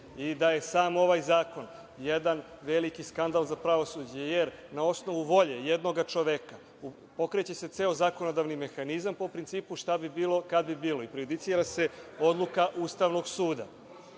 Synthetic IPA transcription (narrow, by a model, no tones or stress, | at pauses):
id̪aje̞saːmo̞ʋaːjzaːko̞n | jed̪anʋe̞likiskand̪alˠzapɾaʋo̞suːd͡ʑejeɾnao̞sno̞ʋuʋo̞ʎe̞jed̪noɡat͡ʃo̞ʋeka | u | po̞kɾet͡ɕe̞se̞t̪se̞ːozaːko̞nod̪aʋnime̞xanizampo̞pɾint̪iːpuʃt̪abibiːlˠo̞kad̪bibiːlo̞ipɾejud̪it̪siɾase̞o̞d̪lˠukaʔuːst̪aʋno̞ɡsuːd̪a̰